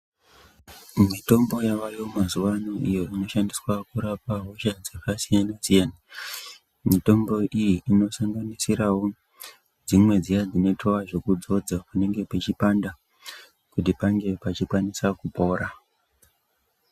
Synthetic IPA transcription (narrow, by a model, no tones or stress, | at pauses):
mito̞mbo̞jaʋajo̞mazuʋano̞ijo̞ino̞ʃandiswakuɾapaɦo̞ʃad͡zekasijanasijana | mito̞mbo̞ijiino̞saŋɡanisiɾawo̞ | d͡zimwe̞d͡zijad͡zine̞tʰoaʐo̞kud͡zo̞d͡zapune̞ŋɡe̞pet͡ʃipanda | kutipaŋɡe̞pat͡ʃikwanisakupo̞ːɾa